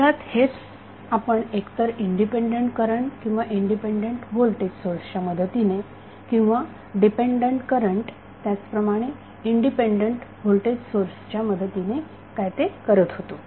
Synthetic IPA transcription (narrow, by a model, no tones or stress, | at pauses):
at̪het͡s | apəɳekt̪əɾiɳɖipeɳɖəɳʈkəɾəɳʈkĩw̃ʋaʔiɳɖipeɳɖeɳʈʋolʈedsoɾsət͡ɕjaməd̪ʱət̪ine | kĩw̃ʋa | ɖipeɳɖəɳʈkəɾəɳʈ | t̪jat͡spɾəmaɽ̃e | iɳɖipeɳɖəɳʈʋolʈeɖsoɾst͡ɕjaməd̪ʱət̪ine | kajt̪ekəɾət̪ɦot̪o